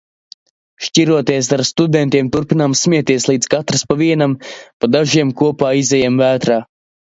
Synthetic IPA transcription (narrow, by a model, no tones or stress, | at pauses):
ʃciɾuɔt̪iɛs̬aɾst̪ud̪ɛnt̪iɛmt̪uɾpinamsmʲiɛt̪iɛslˠiːd̪z̥kat̪ɾaspaviɛnampad̪aʒiɛmkuɔpaːizɛjamvæːt̪ɾaː